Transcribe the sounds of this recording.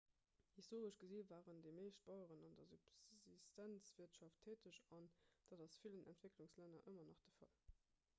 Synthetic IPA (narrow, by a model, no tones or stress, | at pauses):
histʰoːʁəʃɡ̥əziːvaːʁəndemeːʃt̚b̥ɑʊəʁənɑndɐzubzistænt͡sv̥iɐtʃɑftʰeːtəɕɑnd̥aːdɑsfilənʔæ̰ntv̥ekluŋslænɐʔəmɐnɑχd̥əfɑ̰l